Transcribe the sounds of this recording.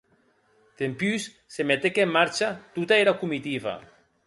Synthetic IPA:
t̪empys | semet̪ekemːaɾt͡ʃat̪ut̪aeɾakumit̪iβa̰

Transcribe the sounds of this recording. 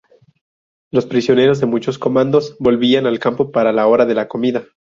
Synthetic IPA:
lo̞spɾisjo̞ne̞ɾo̞zðe̞mut͡ʃo̞sko̞mãnd̪o̞zbo̞lβianalkampo̞paɾalao̞ɾaðe̞lako̞miða

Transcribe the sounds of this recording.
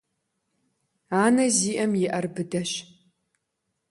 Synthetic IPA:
aːnɐziːʔɐmjɪʔɐrbɨdɐɕ

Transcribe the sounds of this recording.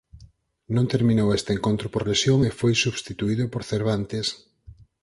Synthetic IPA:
nõnt̪eɾmĩnowest̪eŋkont̪ɾʊpoɾlesjoŋefojsuβst̪it̪uiðʊpoɾθeɾβ̞ant̪es

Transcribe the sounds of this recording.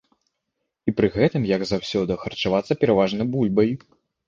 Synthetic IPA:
ipɾɨɣɛt̪ɨmjɐɡzawsʲɔd̪ɐxɐrt͡ʂavat̪sːɐpʲɛɾavaʐnɐjbulʲbɐj

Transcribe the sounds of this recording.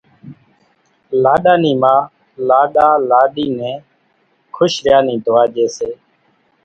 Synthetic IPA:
laːɗaːniːmãː | laːɗaːlaːɗiːnɛ̃ː | kʰʊʃɾɪjaːnĩːd̪ʱʊʋaːd͡ʒeːseː

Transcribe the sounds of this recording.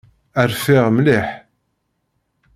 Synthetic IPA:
əɾfɪʁmlɪħ

